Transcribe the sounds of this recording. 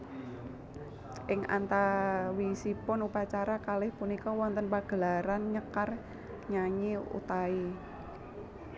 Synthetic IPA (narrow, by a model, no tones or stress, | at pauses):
ʔɪŋa̰nt̪awisipʊnupat͡ʃaɾakalɪhpunikɔwɔnt̪ənpaɡ̥əlaɾanɲəkar | ɲaɲiṵt̪ai